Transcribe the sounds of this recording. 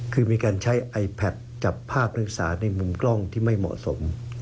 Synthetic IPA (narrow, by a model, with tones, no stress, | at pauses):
kʰɯː˧miː˧kaː˧nt͡ɕʰa˦˥jʔa˧jpʰɛ˨˩t̪̚t͡ɕa˨˩pʰːaː˥˩p̚nɯ˨˥˩k̚sa̰ː˩˦na˧jmu˧mklɔ˥˩ŋt̪ʰiː˥˩ma˥˩jmɔ̰˨˩ʔso̰˩˦m